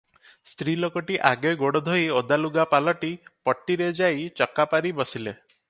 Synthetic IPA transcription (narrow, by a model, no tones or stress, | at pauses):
st̪ɾilokɔʈiʔaɡeɡoɽɔd̪ʱɔiod̪aluɡapalɔʈipɔʈːiɾed͡ʒajt͡ʃɔkapaɾibɔsile